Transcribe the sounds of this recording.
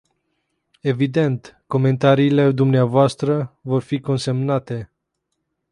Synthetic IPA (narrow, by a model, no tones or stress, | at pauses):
e̞vid̪e̞nt̪ko̞me̞nt̪aɾiːle̞d̪umneavoast̪ɾəvo̞rfiko̞nse̞mnat̪e̞